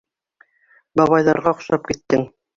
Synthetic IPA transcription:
bɑβɑjðɑɾʁɑ̆χʃɑp̚kit̪ːɘŋ

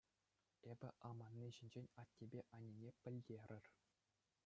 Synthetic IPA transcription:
ebʲɘ̆ʔɑmɑnʲːiʑinʲd͡ʑenʲɑtʲːebʲeʔɑnʲinʲepʲɘ̆lʲdʲerʲɘ̆rʲ

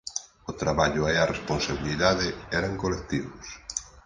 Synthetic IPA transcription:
ʊt̪ɾaβaʎʊearesponsaβiliðaðeɛɾaŋkolek̚t̪iβʊs

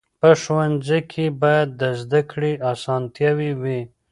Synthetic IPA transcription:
pəʃwanzikʰebɑjad̪ːəzd̪akɽiʔasɑnt̪jawiwi

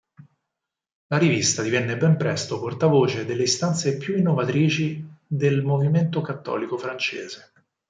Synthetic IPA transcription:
laɾivist̪ad̪ivɛnːebɛmpɾɛst̪oport̪avoːt͡ʃed̪elːeist̪ant̪sepjuinːovat̪ɾiːt͡ʃid̪elmoviment̪okat̪ːɔ̰ːlikofɾant͡ʃḛːze

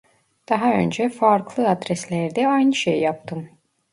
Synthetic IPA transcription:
d̪̥ɑɦaø̞̰nd͡ʒɛfaɾklˠɯad̪ɾɛslʲæɾd̪ɛajnɯʃejːap̚t̪ʰɯm

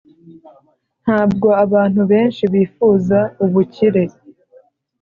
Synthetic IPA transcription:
n̥haːb̚ɡo̞aβaːn̥huβe̞ːnʃiβiːfuːzauβuciɾe̞

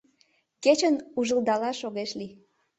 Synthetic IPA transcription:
ket͡ɕənuʒəld̪ɑlɑʃoɣeʃli

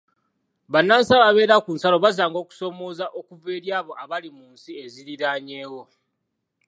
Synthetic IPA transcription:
βanːansalaβe̞ːɾakuːnsalo̞βazaːŋɡo̞ːku̥so̞mo̞ːzaʔo̞kuve̞ːɾjaːβo̞ʔaβalimuːnsieziɾiɾaːɲe̞ːwo̞

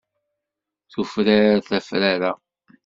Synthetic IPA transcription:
θufɾaɾaθæfɾaɾa

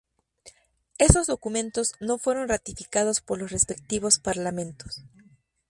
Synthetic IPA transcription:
e̞so̞zðo̞kumẽ̞nt̪o̞zno̞fwe̞ɾo̞nrat̪ifikað̞o̞spo̞ɾlo̞sre̞spek̚t̪iβ̞o̞spaɾlamẽ̞nt̪o̥s

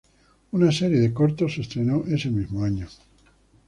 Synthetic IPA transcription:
unaseɾjeðekoɾt̪osːest̪ɾenoʔesemizmoaɲo

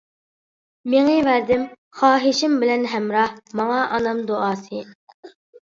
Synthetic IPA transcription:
meŋɨvæɾd̪ɪm | χɑːɦɪʃɪmbɪlɛnɦɛmɾɑhmɑŋɑʔɑnɑmd̪oɑːsɨ

